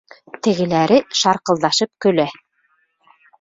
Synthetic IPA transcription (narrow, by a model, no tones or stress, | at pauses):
t̪ɘ̆ɣɘ̆læɾɘʃɑɾqɤ̆lˠd̪ɑʃɤp̚kɵ̆læ